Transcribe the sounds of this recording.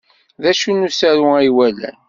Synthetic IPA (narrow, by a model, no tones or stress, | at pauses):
ðæʃunːusæɾuiwælæ̰n